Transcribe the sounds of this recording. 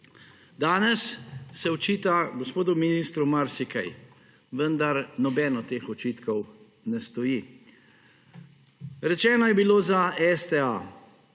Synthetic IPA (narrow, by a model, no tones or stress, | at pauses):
d̪aːnɛsːɛɔt͡ʃiːt̪aɡɔspoːd̪ʊminist̪ɾumaɾsikɛ̰j | ʋənd̪aɾnɔbɛːnɔt̪eːxɔt͡ʃiːt̪kɔw | nɛst̪ɔji | ɾɛt͡ʃɛːnɔjɛbiloːzaɛst̪ɛa